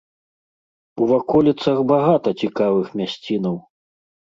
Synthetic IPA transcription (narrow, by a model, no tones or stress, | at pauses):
uvakɔlʲit̪sɐxbaɣat̪ɐt͡sʲikavɨxmʲasʲt͡sʲinɐw